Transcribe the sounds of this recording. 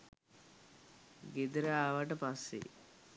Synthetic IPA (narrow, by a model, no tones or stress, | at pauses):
ɡed̪əɾaːʋaʈ̬əpasːḛ